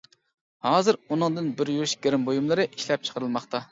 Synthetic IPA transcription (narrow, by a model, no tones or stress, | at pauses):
hɑːzɨɾunɨŋd̪ɨnbɪɾjuʃɡʲeɾɪmbojumlˠɨɾɨʔi̥ʃlɛp̚t͡ʃʰə̥qʰəɾɨlˠmɑχt̪ɑ